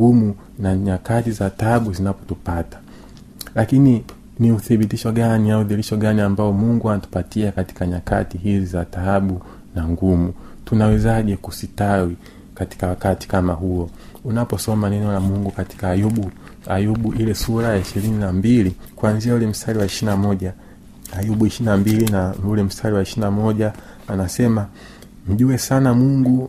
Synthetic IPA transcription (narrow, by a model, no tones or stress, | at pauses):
ɡumu | naɲakatizataɓuzinapɔ̥tupatḁ | lakini | niuθiɓitiʃɔɡaniauðiliʃɔɠaniambaɔmuŋɡuanatu̥patiakati̥kaɲaka̰tiɦizizataɓu | naŋɡumu | tunawɛzaʄɛkusitawi | kati̥kawakati̥kamaɦuɔunapɔsɔmanɛnɔlamuŋɡukati̥kaːjuɓu | ajuɓuʔilɛsuɾajaiʃiɾininambilikuanziaulɛm̩stʰaliwaɛʃinamɔʄa | ajuɓuiʃinambilinaulɛm̩stʰaliwaiʃinamɔʄaː | nasɛma | m̩ʄuɛsanamuŋɡu